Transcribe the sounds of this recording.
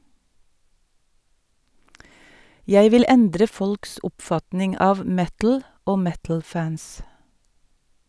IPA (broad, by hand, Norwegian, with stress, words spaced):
ˈjæɪ ˈʋɪl ˈɛndɾə ˈfɔlks ˈʊpfɑtnɪŋ ˈɑːʋ ˈmɛtl̩ ˈoː ˈmɛtl̩ ˈfæns